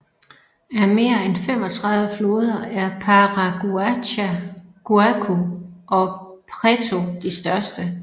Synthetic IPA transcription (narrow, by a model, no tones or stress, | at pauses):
æɐme̝ːɐenfem̰ɒ̽t͡sʰʁɑ̈ðˠʋəflo̝ːð̞ˠɐæɐpʰɑʁaɡ̥u | ɡ̥uækʰuʔɒ̽pʰʁet͡sʰo̝d̥isd̥ɶɐsd̥ə